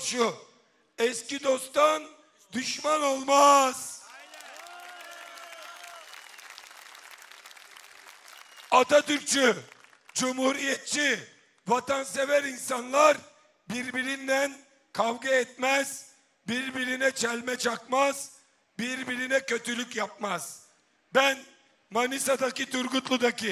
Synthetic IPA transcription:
ʃu | ɛscid̪o̞st̪an | d̪yʃmano̞lˠmaz̥ | at̪at̪yɾt͡ʃʰy | d͡ʒumhuɾijɛt̪̚t͡ʃʰi | vat̪ʰansevæɾinsanlˠaɾ | biɾbiɾind̪æn | kʰavɡaɛt̪̚mɛz̥ | biɾbiɾinɛt͡ʃʰɛlʲmɛt͡ʃʰakmaz̥ | biɾbiɾinɛcø̞t̪ʰylʲycjap̚maz̥ | bæn | manisad̪acit̪uɾɡut̪lˠud̪acʰi

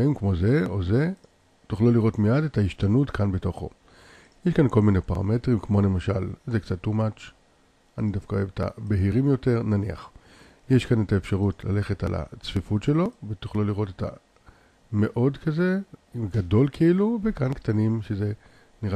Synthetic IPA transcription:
imkmo̞zeo̞ze | tuχluliʁo̞tmijade̞taiʃtanutkanbetoχo̞̰ | jeʃkanko̞lminepaʁa̰me̞tʁimkmo̞le̞maʃalzekt͡sat̪ːumat͡ʃ | anidafkaoeet̪a̰be̞ɦiʁimjo̞te̞ʁnania̰χ | jeʃkanetaefʃaʁutla̰le̞χe̞ta̰la̰t͡sfifutʃe̞lo̞vetuχluliʁo̞teta̰ | me̞ʔo̞dkaze̞ɡado̞lkeiluvekanktanimʃeze̞ | niʁ

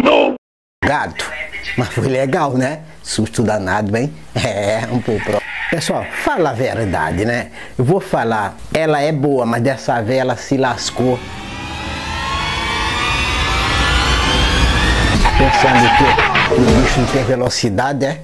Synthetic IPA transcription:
no | ɡat̪ʊ̥mɐsfojleɡawnɛsuʃt̪ud̪anad̪ɐbẽj̃ | ɛɛũpokpɾɔpesuawfalaveɾd̪a̰d̪ɪnɛ | ewvofala | ɛlɐɛboɐmɐzd̪ɛsaveɛlɐsɪlasko | pẽsɐ̃nd̪ʊkɪʊdiʃʊñt̪ẽj̃velosid̪ad̪ɪɛ

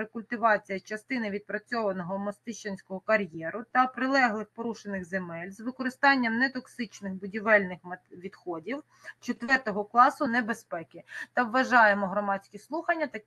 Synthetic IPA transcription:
ɾekʊlʲt̪ɪʋɑt͡sʲijɐt͡ʃɐst̪ɪnɪʋʲid̪̚pɾɐt͡sʲɔʋɐnɔɦɔmɔst̪ɪʃt͡ʃɐnʲsʲkɔɦɔkɐɾʲjɛɾʊt̪ɐpɾɪlˠɛɦlˠɪxpɔɾuʃenɪɣzemɛlʲzʋɪkɔɾɪst̪ɑnʲːɐmnɛt̪ɔksɪt͡ʃnɪxbʊdʲiʋɛlʲnɪxmʋʲid̪xɔdʲiw | t͡ʃet̪ʋɛrt̪ɔɦɔklˠɑsʊnɛbespɛkʲɪt̪ɐʋːɐʒɑjemɔɦɾɔmɑdʲsʲkʲislˠuxɐnʲːɐt̪ɐ

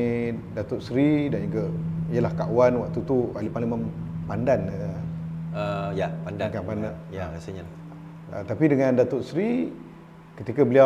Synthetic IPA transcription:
dat̪ʊʔsɾidanukəijəlahkawanwa̰ʔt̪ut̪ua̰lipalimənpandan | əjapandakanpandanjakasəɲa | ə̰t̪apidəŋãndat̪ʊʔsɾi | kət̪ikabəlia

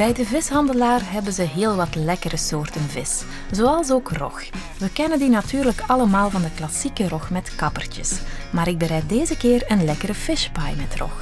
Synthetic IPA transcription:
b̥ɛjdəvɪsɦɑndəlaːrɦɛbənzəɦeːlˠʋɑtlɛkəɾəsoːrtənvɪs | zoːɑlˠsoːkrɔ̰x | ʋəkɛnəndinɑtyːrləkɑləmaːlˠvɑndəklɑsikərɔxmɛtkɑpərtə̰smaːɾɪɡ̚bəɾɛj̚deːzəkɪːrənlɛkəɾəv̥ɪʃpɑjmɛtrɔ̰x

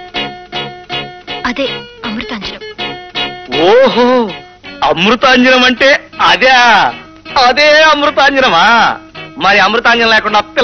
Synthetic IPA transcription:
ɐd̪eːɐmɾut̪aːɲd͡ʒɐnɐm | oːɦoː | ɐmɾut̪aːɲd͡ʒɐnɐmɐɳʈe̞ːɐd̪ea | ɐd̪eːɐmɾut̪aːɲd͡ʒɐnɐmaːmɐɾiɐmɾut̪aːɲd͡ʒɐnɐlɛːkuɳɖaːp̪ːil

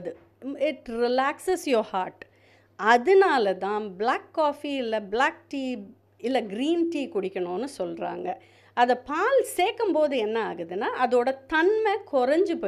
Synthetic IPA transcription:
ðɯ | ɪʈɾɪlaːksɐsjoːhaːɾʈ | ɐðɯnaːlɐt̪ãːblaːkːaːfiɪlːɐblaːk̚ʈiː | ɪlːɐɡɾiːnʈiːkʊɽɪkʲːɐɳʊ̃nɯsɔlɾa̰ːŋɡɐ | ɐðɐpaːlseːkːɯmpoːðɯɛnːɐaːɣɯðɯnaːʔɐðoːɽɐt̪ɐnmɛkɔɾɐɲd͡ʒɯpɐ

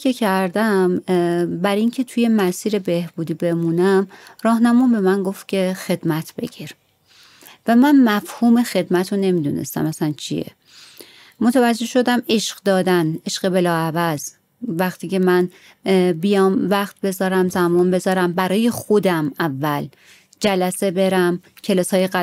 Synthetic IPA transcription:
ecʰæɾd̪æmbæɾiŋcʰe̞t̪ʰuje̞mæsiːɾe̞be̞hb̥uːd̪iːbe̞muːnæmɾɒːhnæmuːnbe̞mænɡo̞ft̪̚cʲʰe̞xe̞d̪mæt̪ʰb̥e̞̰ɟiɾ | væmænmæfhuːme̞xe̞d̪mæt̪ʰone̞mid̪ṵːnḛst̪æ̰mæsænt͡ʃʰḭjḛ | mot̪ʰævæd͡ʒːe̞hʃo̞d̪æme̞ʃɢ̥d̪ɒːd̪æne̞ʃɢebe̞lɒːævæz̥ | væχt̪ʰiːcʰemæn | bijɒmvæχt̪̚be̞zɒːɾæmzæmɒːnbe̞zɒːɾæmbæɾɒːje̞xod̪æmævːæl | d͡ʒælæse̞be̞ɾæmcʰe̞lɒːsɒːjeɣæ

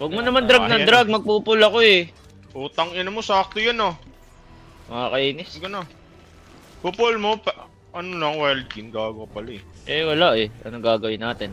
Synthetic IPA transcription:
wɐɡ̚monɐmand̪ɾaɡ̚nɐd̪ɾaɡ̚mɐɡ̚puːpʊlɐkoɛ | ʔuːt̪ɐŋɪnɐmosaːk̚t̪ojano | mɐŋakɐʔiːnɪsɡɐna | pupʊlmo̞p | ʔɐnolɐŋwɛld͡ʒɪnɡaːɡwɐpɐlaɛʔɛwɐlaʔɛʔɐ̰noɡaːɡɐwɪnːaːt̪ɪn

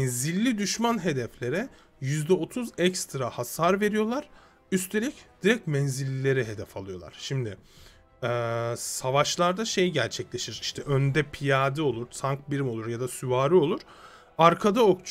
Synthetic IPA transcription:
ɛnzilʲːid̪yʃmanɦe̞d̪ɛflʲe̞ɾɛ | jyzd̪ɛo̞t̪ʰuzɛcst̪ɾahasaɾve̞ɾijo̞lˠaɾ̥ | yst̪ʰe̞lʲicd̪̥iɾɛc̚mɛnzilʲːilːʲe̞ɾɛɦe̞d̪ɛfalˠɯjo̞lˠa̰ɾ̥ʃimd̪ɪ | ɛːsavaʃlˠaɾd̪aʃe̞jɟæɾt͡ʃʰɛclʲe̞ʃiɾiʃt̪ʰɛʔønd̪ɛpʰijaːd̪ɯo̞lˠuɾt̪ʰaŋk̚biɾimo̞lˠuɾjad̪asyvaːɾɯo̞lˠuɾ̥ | aɾkʰad̪aokt͡ʃʰ

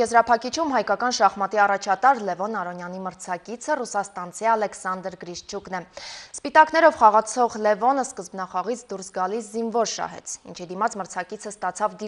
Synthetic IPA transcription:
jɛzɾɑpʰɑkit͡ʃʰumɦɑjkɑkɑnʃɑχmɑt̪iɑrɑt͡ʃʰɑt̪ɑɾlɛvɔnɑɾɔnjɑniməɾt͡sʰɑkit͡sʰərusɑst̪ɑnt͡sʰiɑlɛksɑnd̪əɾɡɾiʃt͡ʃʰuknɛspit̪ɑkn̪ɛɾɔvχɑʁɑt͡sʰɔʁlɛvɔnəskəzbnɑχɑʁit͡sʰd̪uɾsɡɑliszinvɔɾʃɑ̰ɦɛ̰t͡sʰḭnt͡ʃʰid̪imɑt͡sməɾt͡sʰɑkit͡sʰəst̪ɑt͡sʰɑvd̪i

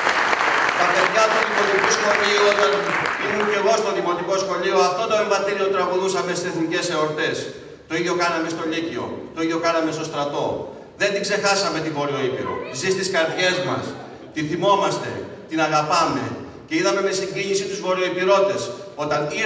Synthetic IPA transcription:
t̪ɐpe̞ðʝɐt̪uikonomikuskomiot̪ɐnimunce̞ɣo̞st̪o̞ðimo̞t̪iko̞sxo̞ʎio̞ɐft̪o̞d̪oe̞ɱvɐt̪iɾio̞t̪ɾɐɣuðusɐme̞st̪iseθnice̞se̞oɾt̪e̞s | t̪o̞iðʝjo̞kɐnɐme̞st̪o̞ʎicio̞̰t̪o̞iðjokɐnɐme̞st̪o̞st̪ɾɐt̪o̞ | ðe̞nd̪iɡze̞xɐsɐme̞t̪ivo̞ɾio̞ipḭɾo̰zist̪iskɐɾt̪ʝe̞zmɐ̰s | t̪iθimo̞mɐst̪e̞̰ | t̪inɐɣɐpɐme̞̰ | ce̞iðɐme̞me̞siɲɟiɲisit̪uzvo̞ɾio̞ipiɾo̞t̪e̞s | o̞t̪ɐni

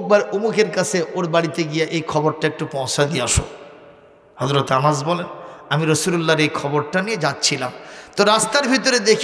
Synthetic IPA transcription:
k̚baɾomukeɾkat͡ɕʰeʔoɾbaɽit̪eɡijeʔejkʰɔboɾʈaek̚ʈupɔ̃w̃ʃad̪ijeaʃo̰ | hɔzɾot̪amazbɔlenamiɾəsululːaɾejkʰɔboɾʈanijed͡ʑatːɕʰilamt̪oɾast̪aɾbʱit̪oɾed̪ekʰ

